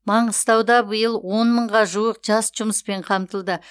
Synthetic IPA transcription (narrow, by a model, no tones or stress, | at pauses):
mɑɴəzt̪ʰɑwd̪ɑbəjəlˠwonməɴʁɑʒuəqʒ̥ɑsʒ̥ʊməspe̞ɴqʰɑmt̪əlˠd̪ə